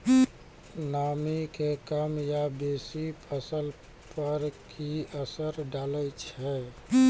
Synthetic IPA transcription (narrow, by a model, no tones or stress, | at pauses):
naːmikekəmjabeːsipʰəsəl | pəɾkʰiəsəɾɖaːlət͡ʃʰɛ